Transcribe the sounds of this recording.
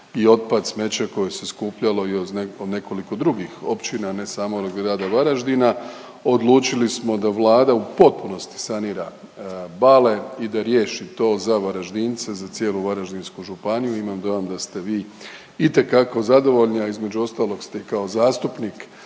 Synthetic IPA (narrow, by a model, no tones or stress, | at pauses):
io̞t̪̚pad̪sme̞t͡ɕeko̞je̞se̞skuːpʎalo̞ioeod̪ne̞ko̞liko̞d̪ɾuɡixo̞pt͡ɕinane̞saːmooɡɾaːd̪aʋaɾaʒd̪ina | o̞d̪lˠuːt͡ʃilismo̞d̪aʋlˠaːd̪aupo̞t̪̚puno̞st̪i̥saniːɾa | bale̞id̪aɾje̞ːʃit̪o̞ːzaʋaɾaʒd̪iːnt̪se̞zat̪sjeːluʋaɾaʒd̪inskuʒupanijuimamd̪o̞jamd̪ast̪e̞ʋiː | it̪e̞kako̞zad̪o̞ʋo̞ʎniaizme̞d͡ʑuo̞st̪aːlo̞ɡst̪eikao̞zaːst̪upnik